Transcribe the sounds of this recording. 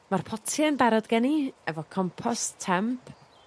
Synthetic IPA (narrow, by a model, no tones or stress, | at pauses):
marpʰɔtʰjanbɛɾɔdɡɛniɛvɔkʰɔmpʰɔstʰːɛmpʰ